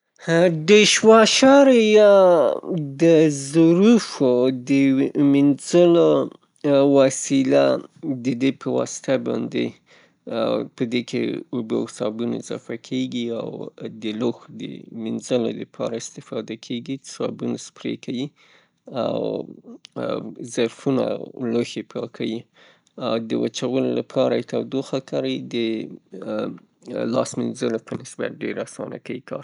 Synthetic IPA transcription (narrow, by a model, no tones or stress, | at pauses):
ɖəʃwɑʃɑɾjɑ | d̪əzɾufod̪əminzəlo | wɑsilad̪əd̪epʰəwɑ̰sɪ̥t̪abɑnd̪ḛ | pəd̪ekʰḛobə̰sɑbuna̰ɪzɑ̰fakʰeɡia̰wd̪əloxd̪ə̰minzəlod̪əpʰɑ̰ɾaɪst̪ɪfɑd̪akʰeɡisɑbunaspɾekʰawi | aw | zaɾfuna̰loxepɑkʰawi | awd̪əwat͡ʃawəlolapʰɑɾat̪awd̪oxakaɾad̪ə | lɑsminzəlopənɪsba̰t̪̚ɖeɾasɑ̰na̰kawikʰɑ̰ɾ